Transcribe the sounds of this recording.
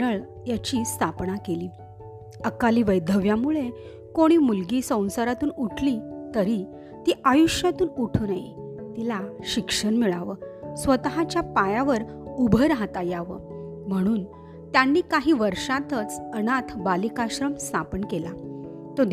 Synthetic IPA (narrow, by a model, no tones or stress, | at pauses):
əɭ | jat͡ɕiːst̪ʰapnakeliː | əkaliːʋəjd̪ʱəʋjamuɭe | koɽ̃iːmulɡiːsə̃w̃saɾat̪uːnuʈʰlit̪əɾi | t̪iːʔajuɕjat̪uːnuʈʰuːnaɦit̪ilaɕikʂəɾmiɭaʋəsʋət̪ɦat͡ɕjapajaʋəɾ | ubʱəjɾaɦt̪ajaʋə̰m̤əɽ̃uːn | t̪janːiːkaɦiːʋəɾʂat̪ət͡sənat̪ʰbalikaɕɾəmst̪ʰapənkela | t̪od̪